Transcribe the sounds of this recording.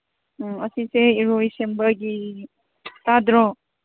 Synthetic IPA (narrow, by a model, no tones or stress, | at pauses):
ɐsiseiɾoisembəɡi | t̪ad̪ɾɔ